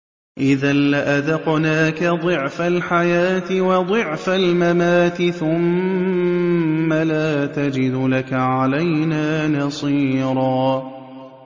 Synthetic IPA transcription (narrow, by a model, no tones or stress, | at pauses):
ʔɪðanlɪʔaðɑqnaːkad̪ˤɨʕfalħajaːt̪ɪwɑd̪ˤɨʕfalmamaːt̪ɪθʊm | alaːt̪ad͡ʒɪd̪ʊlakaʕalajnaːnɑsˤiːɾˤɑː